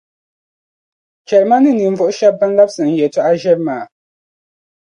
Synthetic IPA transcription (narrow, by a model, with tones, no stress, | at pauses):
t͡ʃɛ˨ɾma˦nɨ˦ni˨ɱ˨vʊ˦ʔʊ˦ʃa˦ba˦n˦la˦bsɨ˨n˨jɛ˨ta˦ʔa˦ʒɛ˦ɾmaː˨